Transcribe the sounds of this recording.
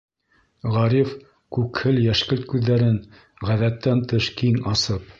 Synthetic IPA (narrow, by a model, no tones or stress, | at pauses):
ʁɑɾif | kʉkhɘljæʃkɘlt̪̚kʉðːæɾɘŋ | ʁæðæt̪ːænt̪ɤʃkiŋɑsɤp